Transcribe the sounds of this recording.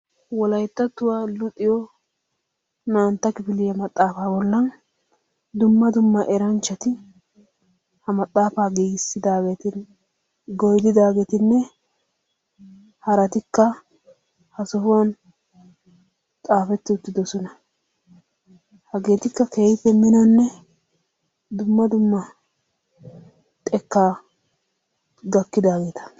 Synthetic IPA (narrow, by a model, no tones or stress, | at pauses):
wɔlɐjt̪ːɐt̪ːʊwaːlʊt̪ʼːɪjɔ | naːnt̪ːɐkɪfɪlɪjɐmɐt̪ʼːaːfaːbɔlːɐn | d̪ʊmːɐd̪ʊmːɐʔɛɾɐnt͡ʃːɐt̪ɪ | hɐmɐt̪ʼːaːfaːɡiːɡɪsːɪd̪aːɡet̪ɪn | ɡɔjd̪ɪd̪aːɡet̪ɪnːɛ | hɐɾɐt̪ɪkːɐ | hɐsɔhʊwɐn | t̪ʼaːfɛt̪ːɪʊt̪ːɪd̪ɔsɔnɐ | hɐɡe̞ːt̪ɪkːɐkeːjɪpːɛmɪnɔnːɛ | d̪ʊmːɐd̪ʊmːɐ | t̪ʼɛkːaː | ɡɐkːɪd̪aːɡe̞ːt̪ɐ̥